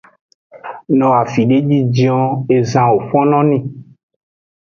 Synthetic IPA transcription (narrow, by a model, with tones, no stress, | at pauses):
nɔ̃˨a˨fi˨ɖe˦d͡ʒi˦d͡ʒĩ˦ɔ̃˨e˨zã˨wo˨fɔ̃˦nɔ̃˦nĩ˦